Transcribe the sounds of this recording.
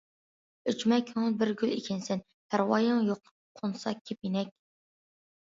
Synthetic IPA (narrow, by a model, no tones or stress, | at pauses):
øt͡ʃmɛkʲʰøŋnbɪɾɡʲylḛkʲʰɛnsɛn | pʰæɾwɑ̰ːjɑŋjoqʰ | qʰonsɑkʲʰepjenɛk̚ʲ